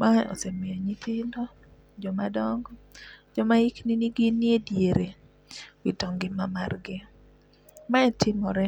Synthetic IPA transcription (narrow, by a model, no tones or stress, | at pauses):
maɔ̰semɪɔɲitʰɪndɔ | d͡ʒɔmadɔŋɡd͡ʒɔmaikniniɡɪnːiedjeɾe | witɔŋɡɪmamarɡɪ | maɛtʰɪmɔɾɛ